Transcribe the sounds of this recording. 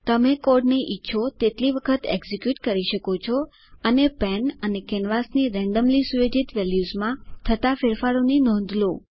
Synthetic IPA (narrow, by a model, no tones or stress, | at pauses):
t̪əmekoɾɖneʔitːʃʰot̪et̪liʋəkʰət̪eɡzikjuʈkəɾiʃəkot͡ʃʰɔ | ənepɛnənekɛnʋasniɾɛ̃ɳɖəmlisujed͡ʒit̪ʋɛljuzmãt̪ʰət̪afeɾfaɽoninɔ̃nd̪ʱlo